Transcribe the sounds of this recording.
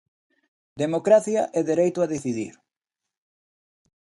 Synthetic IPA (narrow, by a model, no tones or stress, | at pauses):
d̪emokɾaθjɐʔɛðeɾejt̪ʊaðeθiðḭɾ